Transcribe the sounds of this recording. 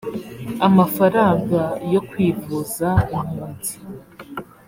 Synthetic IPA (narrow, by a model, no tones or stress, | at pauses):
amafaɾaːŋɡajo̞kwiːvuzaim̥huːnzi